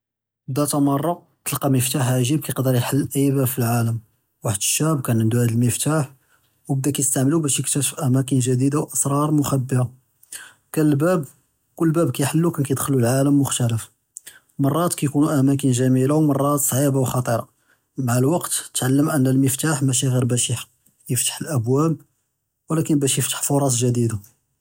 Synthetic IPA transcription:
bd̪æt̪æmɑrˤːɑ | t̪əlqɑməft̪aħʕʒib̚kæjəqd̪əɾjħəlːʔəjːbæbfilʕaləm | waħəd̪əʃːæbkænʕənd̪uʕd̪əlməft̪aħ | wbəd̪ækæjəst̪aʕməlubæʃjəkt̪əfʔæmækənʒæd̪id̪awʔɑsɾˤɑɾˤmʊxæbːəa | kænəlbæb | kʊlːbæbkæjħəlːukænkæjəd̪xəlulʕaləmːʊxt̪æləf | mɑrˤːɑt̪kæjkunuʔæmæk̬ənʒæmilawmɑrˤːɑt̪sˤʕibawxɑt̪ˤəɾˤɑ̰ | maʕalwɑqt̪t̪ʕalːəmʔənːælməft̪aħmæʃ̬iɣiɾbæʃiħḁ | jəft̪ḁħəlʔəbwæb̚ | wlækənbæʃjəft̪ə̥ħfoɾˤɑs̬ˤʒəd̪id̪a

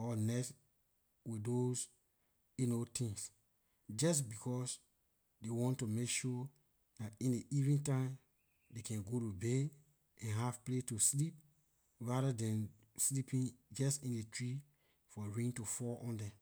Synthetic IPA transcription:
ɔnɛt | widos | inotĩŋs | d͡ʒas̬bikʰɔs | dewɔ̃ntːumekʃu | datĩndeʔivnĩntãɪ̃m | dekɛ̃nɡoɾube | ɛ̃nɦav̥pletuslip̚ | ɹaɾadɛ̃n | slipĩnd͡ʒɛstĩndetɹi | fɔɹĩŋtufɔʔɔ̃ndɛ̃m

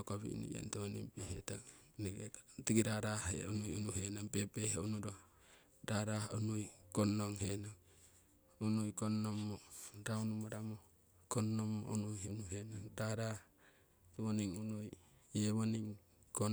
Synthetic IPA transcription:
okaβḭnḭja̰nteonimpihetaŋ | niɡetiɡiɾaɾahḛonujunuhenaŋpepehunuɾo | ɾaɾahunujkonoŋhenaŋ | unujkonːomːoɾaunumoɾamo | konːomːo̰unujhenuhenaŋɾaɾa | βoniŋunujeβoniŋ | kon

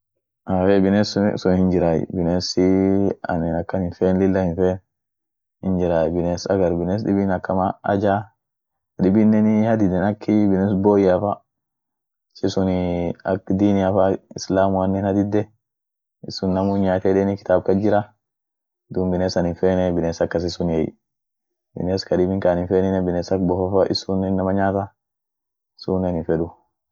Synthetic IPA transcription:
ʔaːfebɪneːssʊnhɪnd͡ʒɪɾaːj̰bɪneːsɪɐ̰nɪnɐkːɐnhɪnfeːnlɪlːɐhɪnfeːn | hɪnd͡ʒɪɾaːjbɪneːsɐ̰ɡɐɾbɪneːs̬ɗɪbɪnɐkːɐmaɐ̰d͡ʒaː | hᶑɪbɪnːɛnɪhɐd̪ɪd̪ːɛnɐkʰːɪbɪneːs̬boːjafa | sɛsʊnɪɐ̰kːd̪iːnɪjafɐɪslaːmʊwɐnːɛnɐd̪ɪd̪ːɛ | ɪsːʊnːɐmʊɲaːt̪ɛᶑɛːnɪkɪ̥t̪aːbkɐd͡ʒɪɾɐ | d̪uːmbɪneːsɐnɪnfeːnɛbɪneːsɐkːɐs̬ɪsʊnjɛj̰ | bɪ̰neːskɐᶑɪbɪŋkaːnɪnfeːnɪnɛbɪneːsɐkbɔfɐfɐʔɪ̰suːnɪnːɐmɐɲaːt̪ɐ | ɪsuːnɛnɪfɛᶑʊ

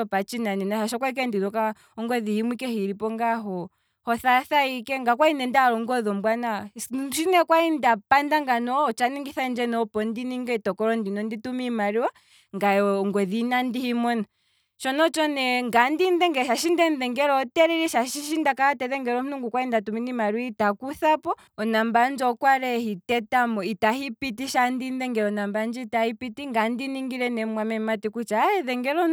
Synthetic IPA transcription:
ɔpat͡ʃinaninaʃaʃɔkwaik̬ɛndinɔka | ɔŋɡɔðihimikɛhiɾipɔŋɡaɦɔ | hɔθaθaikɛŋɡakwainɛndaɾɔŋɡɔðɔmbwanaʃinɛkwaindapandaŋɡanɔːt͡ʃaniŋɡiθaind͡ʒɛnɔɔpɔndiniŋɡɛitɔkɔɾɔndinɔnditumimaɾiwa | ŋɡaɔŋɡɔðinandihimɔna | t͡ʃɔnɔt͡ʃɔnɛŋɡandindɛŋɡɛʃaʃindɛnðɛŋɡɛɾɔtɛɾɛɾɛʃaʃiʃindakaatɛðɛŋɡɛɾɔmunuŋɡukwaindatuminimaɾwitakuθapɔ | ɔnamband͡ʒɔkwaɾɛhitɛtamɔitahipitiʃandinðɛŋɡɛɾɔnamband͡ʒitahipitiŋɡandiniŋɡiɾɛnɛmwamɛmatikut͡ʃaɛðɛŋɡɛɾɔ

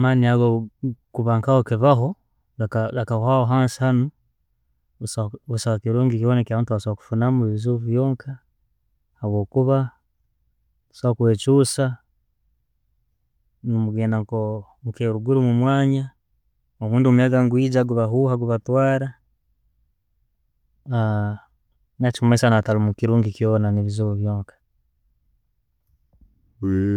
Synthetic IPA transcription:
amaːniaɡokuβaːŋkahokiβaɦo | ɡakaɡakaahoɦaːnsi̥hano | uβusaβakiɾuːŋɡikiβonekjaβaːntuβasawaku̥funamuβiβizuvujoːŋkʰa | haβwo̞ːkuβa | usaakweːt͡ʃusa | nomuɡeːndaŋko | mukeːɾuɡuɾumumwaːɲa | oβuːndiomujaɡaŋɡwiːɟaɡuβaɦuhaɡuβatwaːɾa | a | naci̥kumesanatalumukiɾuːŋɡikjoːnaneβizuβuβjoːŋkḁ

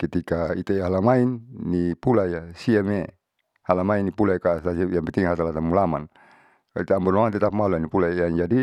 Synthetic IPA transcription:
kit̪ikait̪aɦalamainːipulajasiame | halamainːipulajkat̪asijampɛnt̪iŋɦat̪alat̪amulama̰n | it̪aambɔnoant̪ɛt̪ap̚maluanipulajaŋd͡ʒadi

